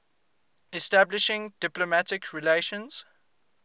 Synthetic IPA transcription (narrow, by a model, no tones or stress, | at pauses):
ɛstablɪʃɪ̃ŋdɪplomatɪkʰɹileʃə̃nz̥